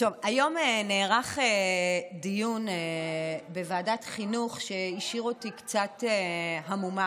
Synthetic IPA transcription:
to̞vajo̞meneːʁaχedijun | bevaːdatχinuχʃeiʃiʁotikt͡sateɦamuma

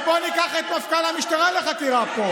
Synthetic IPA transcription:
bonikaχet̪mafkanamiʃt̪aʁaleχakiʁapo

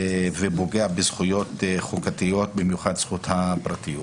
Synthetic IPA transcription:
vebo̞ɡeabezχujo̞tχukatijo̞t̚bimjuχadsχuthapʁatijut

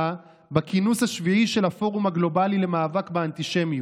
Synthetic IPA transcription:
a | bakinushaʃviʕiʃe̞lhafo̞ʁumaɡlo̞balile̞maːvakbeant̪iʃe̞mju

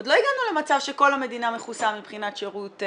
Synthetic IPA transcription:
odlo̞iɡanule̞mat͡savʃe̞ko̞lame̞diname̞χusamipχinatʃeʁut

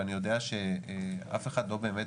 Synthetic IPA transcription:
anijo̞d̪eaʃea̰fe̞χad̪lo̞be̞ːmet

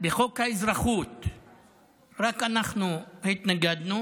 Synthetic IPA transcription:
beχokhaizɾaχut̪ | ʁakanaχnuhit̪naɡad̪nu

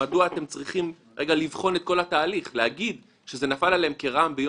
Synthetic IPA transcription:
aduaːt̪e̞mt͡sʁiχim | ʁe̞ɡalivχo̞net̪̚ko̞lataːliχlehaɡid | ʃe̞ze̞nafalaleemke̞ʁambejo

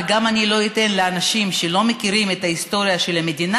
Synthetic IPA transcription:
ɡamanilo̞it̪e̞nleanaʃimʃelo̞mekiʁimet̪aist̪o̞ɾijaʃe̞lamed̪ina

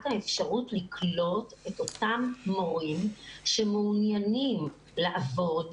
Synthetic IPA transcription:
thaefʃaʁutlikʰlo̞te̞to̞tamːoʁimʃemuːnjanim | laʔavo̞d

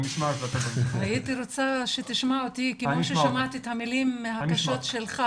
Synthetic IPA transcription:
niʃmaefat̪abaniait̪iɾot͡saʃet̪iʃmaot̪ikemoʃeʃamat̪iet̪hamilimːehakaʃot̪ʃelχa

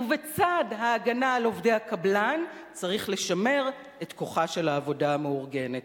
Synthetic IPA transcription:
uvet͡sadɦaːɡanaːlo̞vde̞jhakablant͡saʁiχle̞ʃame̞ʁ | etko̞χaʃe̞laːvodaameuʁɡe̞net

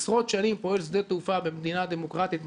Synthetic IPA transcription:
sʁo̞t̪ʃanimpo̞e̞ls̬d̪et̪ufabemd̪inad̪emokʁat̪it̪

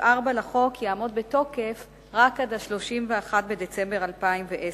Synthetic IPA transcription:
ʔaʁbalaχo̞kʰjaamo̞d̪̚beto̞kef | ʁakadaʃlo̞ʃimveaχatbe̞d̪et͡sembe̞ʁalpaimveʔe

